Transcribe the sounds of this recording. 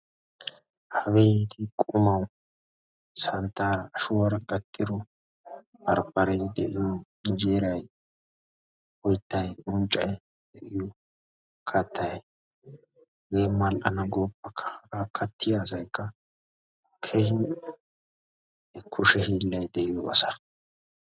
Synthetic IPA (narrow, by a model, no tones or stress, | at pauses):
hɐbɛit̪ɪkʼʊmɐw | sɐnt̪ːaːɾɐːʃʊwɐɾɐkʼɐt̪ʼːɪd̪ɔ | bɐɾpːɐɾɛjd̪ɛʔɪjɔ | nd͡ʒeːɾɐj | ɔjt̪ːɐjʔʊnt͡ʃʼːɐj | d̪̥ɛʔɪjɔ | kʰɐt̪ʰːɐj | ɡeːmːɐlʔɐnɐɡoːpːɐkʰɐ̥akʰɐt̪ʰːɪjaːsɐjkːɐ | kʰɛhɪnɛ | kʰʊʃɛhiːlːɐjd̪ɛʔɪjɔɐsa